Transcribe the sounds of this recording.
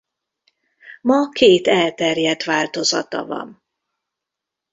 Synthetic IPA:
mɒkeːt̪ɛlt̪ɛrjɛt̪ʋaːlt̪o̞zɒ̰t̪ɒ̰vɒ̰m

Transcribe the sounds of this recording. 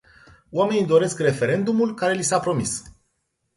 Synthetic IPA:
oame̞nid̪o̞ɾe̞skre̞fe̞ɾe̞nd̪umulkaɾe̞lisapɾo̞mis

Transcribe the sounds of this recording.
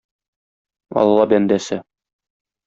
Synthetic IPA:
ɒ̰lˠlˠɑbænd̪æsɘ

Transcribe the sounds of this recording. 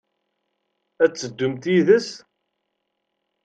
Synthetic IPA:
æt͡sːəd̪ːumt̪iðəs

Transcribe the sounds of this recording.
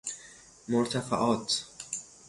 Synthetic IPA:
moɾt̪ʰæfa̰ʔɒːt̪

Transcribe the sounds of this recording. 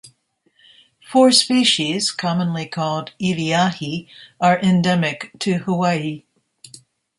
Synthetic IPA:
fɔɹspiʃiz̥kʰɑmə̃nlikʰɔlˠdiliahiə˞ʔɨ̃ndɛmɪktʰɨhəwai

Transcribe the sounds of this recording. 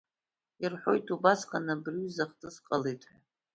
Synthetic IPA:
irħʷo̞̰jtʰubasqʼanabrɥzaχtʰʼɨsqʼalejtʰʼħʷᶣa

